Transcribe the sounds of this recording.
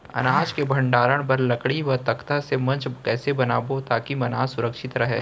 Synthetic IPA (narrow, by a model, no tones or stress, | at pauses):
ɐ̰naːd͡ʒkebʱɐ̃ɳɖaːɾəɽ̃pɐɾlɐkɽiʋɐɦt̪ɐkt̪asemɐ̃nt͡ʃkɛːsebɐnaːbot̪aːkimɐnaːsʊɾəkʃɪt̪ɾɐɦeː